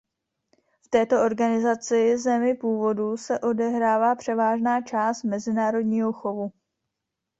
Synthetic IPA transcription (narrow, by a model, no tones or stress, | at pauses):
ft̪ɛːt̪o̞ʔo̞ɾɡanɪzat͡sɪzɛmɪpuːvo̞dusɛʔo̞dɛɦɾaːvaːpr̥ɛvaːʒnaːt͡ʃaːst̪mɛzɪnaːɾo̞dɲiːɦo̞xo̞vu